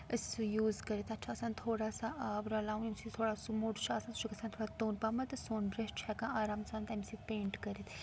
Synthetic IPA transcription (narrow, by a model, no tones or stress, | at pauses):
ɨsujuːzkɐɾit̪ɐtːʃʰaːsaːnʲt̪ʰoːɽasaʔaːbɾɐlaːwnimsit̪ʰoːɽasumuʈt͡ʃʰaːsant̪ut͡ʃʰikɐsaːnt̪ʰoːɽat̪oːnpamɐt̪ɨsoːnbɾest͡ʃʰɛkãaːɾaːmsaːnt̪ɐmsipẽːɳʈkɐɾit̪